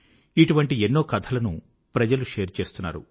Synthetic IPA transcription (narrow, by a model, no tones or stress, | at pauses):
iʈuʋɐɳʈienːo̞ːkɐt̪ʰɐlɐnṵ | pɾɐd͡ʒɐluʂeːɾt͡ʃe̞ːst̪unːa̰ːɾṵ